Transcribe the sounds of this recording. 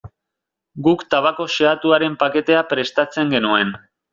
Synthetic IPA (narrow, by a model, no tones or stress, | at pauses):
ɡukt̪aβako̞seat̪uaɾe̞mpake̞t̪e̞apɾe̞st̪at͡se̞ŋɡe̞nue̞n